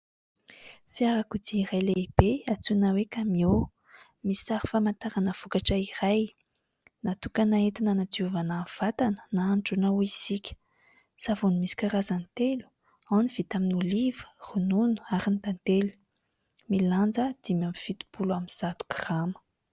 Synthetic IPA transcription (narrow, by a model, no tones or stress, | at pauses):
fjaɾakud̪iiɾajleb̥eat͡sunawekamio | misiaɾi̥famant̪aɾanəv̥ukaʈ͡ʂəiraj | nat̪ukanaet̪inanad͡ziuvanav̥at̪anə̥naaɳɖ͡ʐunauiz̥ikʲə̥ | savunimisi̥kʲaɾazanit̪elu̥ | anivit̪aminulivə̥rununu̥aɾind̪ant̪elu̥ | miland͡zəd̪̥imamiv̥it̪u̥buluamiz̥at̪u̥kramə̥